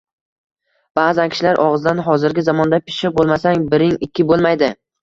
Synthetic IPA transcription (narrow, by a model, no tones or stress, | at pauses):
b̥aːzankʲʰɪ̥ʃlaɾʔɒʁɨzd̪anɦɒzɪɾɡʲɪzamɒnd̪apʰɪ̥ʃɪbolˠmasaŋbɪɾɪŋɪkʲːɪbolˠmajd̪ɪ